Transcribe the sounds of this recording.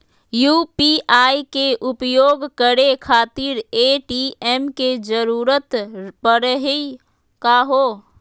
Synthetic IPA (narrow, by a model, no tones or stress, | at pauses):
juːpiʔaikeʔʊpjoːɡkəɾekʰaːt̪iɾeʈiɛmked͡ʒəɾuːɾət̪pəɾəɦe | kaːɦo